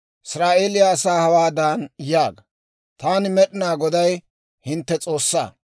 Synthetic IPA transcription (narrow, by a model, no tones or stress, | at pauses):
ʔɪsɾaːʔe̞ːlɪjaːsaːhɐwaːd̪aːnjaːɡɐ | t̪aːnɪmɛɗɪnaːɡɔd̪ɐj | hɪnt̪ːɛt͡sʼo̞ːsːa̰ː